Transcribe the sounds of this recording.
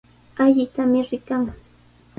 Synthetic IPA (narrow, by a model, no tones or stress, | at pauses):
aʎɪt̪amɪɾɪkaŋ